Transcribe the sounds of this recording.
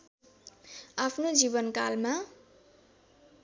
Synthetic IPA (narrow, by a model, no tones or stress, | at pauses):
apʰnod͡zibʌnkalma